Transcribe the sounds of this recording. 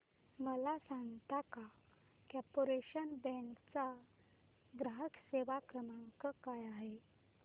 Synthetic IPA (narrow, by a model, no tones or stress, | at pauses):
məlasãŋɡt̪aka | kapoɾeɕənbɛ̃kt͡sa | ɡɾaɦəkseʋakɾəmaŋkəkajaɦe